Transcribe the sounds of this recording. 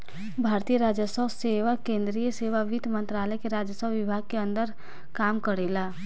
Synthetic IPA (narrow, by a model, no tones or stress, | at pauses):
bʱaːɾt̪ijəɾaːd͡ʒjəsəbseʋakẽːnd̪ɾijəseːʋaʋɪd̪ʱmə̃nt̪ɾaːləjkeɾaːd͡ʒjəsəbʋɪbʱaːɡ̚keə̃nd̪əɾ | kaːmkəɽeːlaː